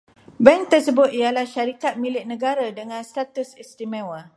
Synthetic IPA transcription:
bɛŋt̪ərsəbʊt̪̚ialahʃaɾikat̪̚mĩlɪʔ̚nə̃ɡaɾadəŋãnst̪at̪usist̪imɛ̃wa

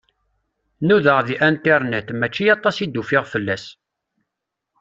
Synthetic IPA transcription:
nuðəʁðiʔænt̪iɾˤnæt̪mæt͡ʃːijɑt̪ˤːɑsid̪ːufɪʁfəlːæs

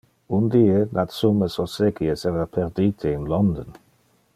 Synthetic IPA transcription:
und̪iːenʔat̪suməsoseɡiesɛɾapʰeɾd̪iːt̪ʰeinlɔnd̪on

